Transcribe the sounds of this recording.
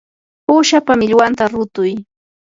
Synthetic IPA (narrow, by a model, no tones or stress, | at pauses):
puːʃapamɪʎwant̪aɾʊt̪ʊj